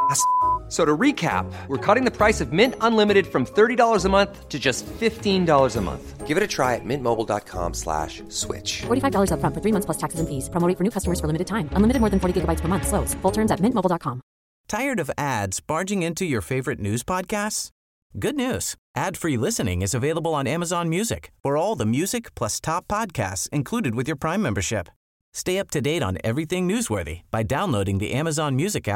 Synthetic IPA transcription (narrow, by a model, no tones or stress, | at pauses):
soʊɾəɹikʰæ̰p̚wəɹkʰɔɾɪ̃ŋðɨpʰɹ̥aɪsʌvmɪ̃ntə̃nlɪ̃mɨɾɨd̥fɹʌ̃mθɜ˞ɾidɔlˠə˞zəmʌ̃nθtʰɨd͡ʒʌstfɪftĩndɔlˠə˞zəmʌ̰̃nθɡ̥ɪvɨɾɨtʰɹ̥aɪɨ̰t̚mɪ̃nmoʊbl̩ˠdɑ̰t̚kʰɑ̰̃mslæ̰ʃ | swɪ̰t͡ʃfɔɹɾifaɪvdɔlˠə˞zəfɹʌ̃nfə˞θɹimʌ̃θpʰlʌstʰæksɨzɨ̃nfiz̥pʰɹ̥əmoʊɾɪ̃fə˞nʉkʰʌstəmə˞z̥fə˞lɪ̃mɨɾɨd̚tãɪ̃mə̃nlɪmɨɾɨd̚mɔɹðɨ̃n̩fɔɹɾiɡɪɡəbaɪtspʰə˞mʌ̃nθsloʊsfʊlˠtʰɜ̃˞mzɨt̚mɪ̃ntmoʊl̩ˠdɑt̚kʰɑ̃m | tʰaɪə˞ɾʌvædz̥bɑɹd͡ʒɪ̃ŋɪ̃ntʰʉjə˞feɪvə˞ɨtⁿnʉz̥pʰɑd̚kʰæsts | ɡ̥ʊdⁿnʉz̥ʔæd̥fɹilɪsɨnɪ̰̃ŋɨzɨveɪlˠəbəl̩ˠə̃næməzɑ̃nmjʉzɨ̰kfə˞ɔlˠðəmjʉzɨkpʰl̥ʌstʰɑpʰːɑd̚kʰæ̰stsɨ̃nkʰl̥uɾɨd̚wɨðjə˞pʰɹ̥ãɪ̃mɛ̃mbə˞ʃɪp | steɪʌp̚tʰɨdeɪɾn̩ɛ̰vɹiθɪ̃ŋnʉzwɜ̰˞ðḭb̥aɪdãʊ̃nloʊɾɪ̃ŋðḭʔæməzɑ̃nmjʉzɨkæ̰